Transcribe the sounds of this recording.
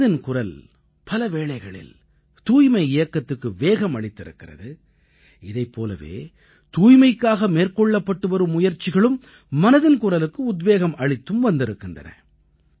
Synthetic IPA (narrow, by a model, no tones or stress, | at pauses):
ðɪnkʊrɐl | pɐlɐʋeːɭɐɪɣɐɭɪ̰l | t̪uːjmɐɪɪjɐkːɐt̪ːɯkːɯʋeːɣɐmɐɭɪt̪ːɪɾɯ̰kːɪrɐ̰ðɯ | ɪðɐɪpːoːlɐ̰ʋḛː | t̪uːjmɐɪkːaːɣɐmeːrkɔɭːɐpːɐʈːɯʋɐɾɯmːʊjɐɾt͡ʃːɪɣɐɭɯmː | ɐnɐðɪnkʊrɐlɯkːɯʊd̪ʋeːɣɐmɐɻɪt̪ːɯmʋɐnd̪ɪɾɯkːɪndrɐ̰nɐ̰